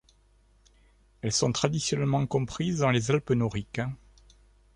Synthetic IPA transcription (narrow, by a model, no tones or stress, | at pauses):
ɛlsɔ̃t̪χad̪isjɔnɛlmɑ̃kɔ̃pχizd̪ɑ̃lezalpənɔʁik